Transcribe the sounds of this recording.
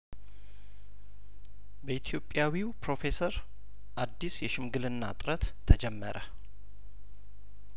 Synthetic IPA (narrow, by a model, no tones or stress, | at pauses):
bəit̪ʰjo̞pʼːjawiwpɾo̞fe̞səɾ | ʔad̪ːisjɛʃɪmɡɨlɨnːa̰t̪ʼɾət̪ʰːəd͡ʒɛmːə̰ɾʔə